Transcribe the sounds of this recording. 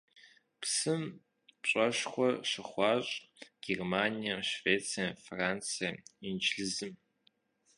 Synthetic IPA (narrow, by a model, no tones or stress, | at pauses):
psɨm | pɕʼɐʃχʷɔʂɨχʷɑːɕʼɡ̥ermaːnijɐʃveːt͡sʰijɐnfraːnt͡sʰijaint͡ʃʰɬɨzɨm